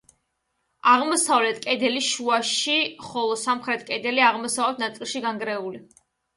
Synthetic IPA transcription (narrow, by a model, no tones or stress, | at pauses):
aʁmɔsavlɛt̪ʰkʼɛd̪ɛliʃuaʃiχɔlˠɔsamχɾɛt̪ʰkʼɛd̪ɛliaʁmɔsavlɛt̪ʰnat̪sʼilˠʃiɡaŋɡɾɛuli